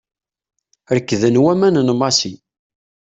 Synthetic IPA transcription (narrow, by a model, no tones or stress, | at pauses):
ɾəkːðənwæmænnmɑsi